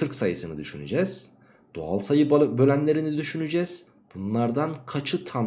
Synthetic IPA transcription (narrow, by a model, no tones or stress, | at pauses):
ɯɾksajɯsɯnɯd̪yʃy̰ny̰d͡ʒɛz̥ | d̪̥o̰a̰lˠsajɯbølʲænlʲe̞ɾinid̪yʃynyd͡ʒɛz̥ | b̥unlˠaɾd̪ankʰat͡ʃʰɯt̪ʰam